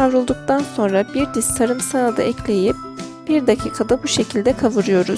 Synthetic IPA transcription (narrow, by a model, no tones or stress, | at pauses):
avɾulˠd̪uk̚t̪ʰanso̞nɾabiɾd̪ist̪ʰaɾɯmsad̪a̰ʔɛcʰlʲe̞jip̚ | b̥iɾd̪acʰiːkʰad̪abuʃe̞cʰilʲd̪ɛkʰavɯɾɯjo̞ɾuz̥